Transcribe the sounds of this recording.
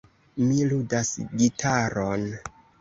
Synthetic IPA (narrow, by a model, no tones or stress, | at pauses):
miludasɡitʰaɾon